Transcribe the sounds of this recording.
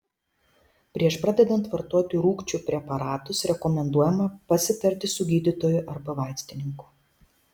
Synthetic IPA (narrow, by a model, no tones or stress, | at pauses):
pʲɾʲiɛʃpɾɑːd̪ʲɛd̪ɐnt̪ʋɐɾt̪uɔt̪ʲʊɾuːkt͡ʃʲupʲɾʲɛpɐɾɑːt̪ʊsɾʲɛkɔmʲɛnd̪uɔjɛmɐpɐsʲɪt̪ɐɾʲt̪ʲɪsʊɡʲiːd̪ʲɪt̪oːjʊʔɐɾbɐʋɑˑɪsʲt̪ʲɪnʲɪŋkʊ̥